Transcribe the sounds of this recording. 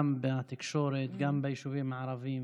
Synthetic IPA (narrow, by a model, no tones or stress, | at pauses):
ambat̪ɪkʃoːɾet̪ɡambajʃuviːmaʕɾˤɑviːm